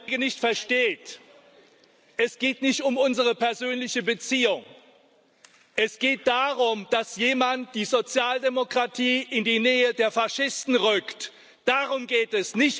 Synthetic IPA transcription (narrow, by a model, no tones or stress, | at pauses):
ɡənɪçtfɛɐʃteːt | ʔɛsɡ̥eːtnɪçtʊmʊnzəʁəpʰɛɐzøːnlɪçəbət͡siːʊŋ | ʔɛsɡ̥eːt̚d̥aːʁʊmd̥asjeːmant̚d̥iːzot͡sjaːldemokʁ̥atʰiːʔɪndiːnɛːədeːɐfaʃɪstn̩ʁʏkt | d̥aʁʊmɡeːtɛsnɪç